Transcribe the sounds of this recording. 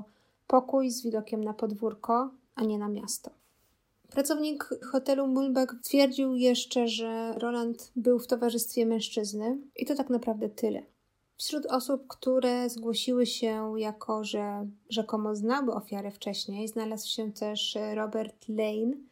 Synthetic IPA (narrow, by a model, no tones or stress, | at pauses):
pɔkujzvʲid̪ɔkʲɛmnapɔd̪vuɾkɔʔaɲɛnamʲjast̪ɔ | pɾat̪sɔvɲikxɔt̪ɛlumulbɛkt̪fʲjɛɾd͡ʑiwjɛʂt͡ʂɛʐɛɾɔlant̪bɘwft̪ɔvaʐɘst̪fʲjɛmɛ̃w̃ʂt͡ʂɘznɘʔit̪ɔt̪aknapɾavd̪ɛt̪ɘlɛ̰ | fɕɾut̪ɔsup̚kt̪uɾɛzɡwɔɕiwɘɕɛjakʰɔʐɛʐɛkɔmɔznawɘʔɔfʲjaɾɛft͡ʂɛɕɲejznalazwɕɛt̪ɛʂɾɔbɛɾt̪lɛjn